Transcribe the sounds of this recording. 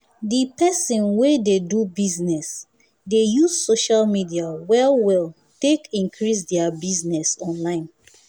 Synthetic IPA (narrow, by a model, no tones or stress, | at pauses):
dipɛsĩnwededubiznɛs | dejuzsoʃalmidiawɛlwɛl | tekĩŋkʰɹis̬dɛabiznɛsɔ̃nlãɪ̃n